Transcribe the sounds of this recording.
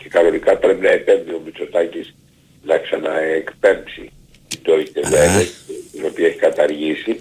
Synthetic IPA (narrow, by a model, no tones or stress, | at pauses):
ce̞kɐno̞nikɐpɾe̞pinɐepe̞nðio̞miso̞t̪ɐcis | nɐksɐnɐekpe̞mpsi | t̪id̪oit̪evenɐet̪ino̞piɐeçi̥kɐt̪ɐɾʝisi